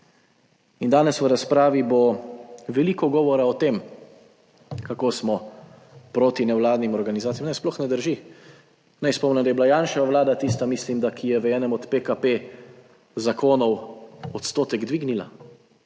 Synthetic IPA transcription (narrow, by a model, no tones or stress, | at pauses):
ind̪aːnɛsʋəɾaspɾaːʋiboʋɛliːkɔɡɔːʋɔɾaɔt̪eːm | kakoːsmɔ | pɾoːt̪inɛwlaːd̪nimɔɾɡanizaːt̪ijmnɛjsplɔxnɛd̪əɾʒi | nɛjspɔmnɛmd̪ajɛbilajaːnʃɛʋaʋlaːd̪at̪ist̪amislimd̪akʰijɛʋəɛːnɛmɔt̪pekape | zakoːnɔwɔt̪st̪oːt̪ɛɡd̪ʋiːɡnila̰